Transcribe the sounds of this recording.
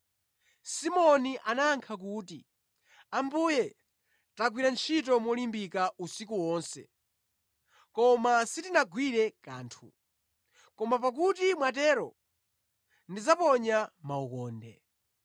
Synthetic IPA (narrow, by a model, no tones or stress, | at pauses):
simɔniʔanaːŋkʰak̬uːti | ambujɛ | taɡwiɾant͡ʃʰitɔmwɔlimbikausik̬uwɔːnsɛ̰ | kɔmasitinaɡwiɾɛkaːntʰṵ | kɔmap̬ak̬utimwatɛɾɔ | ndid͡zapɔɲamaukɔːndɛ̰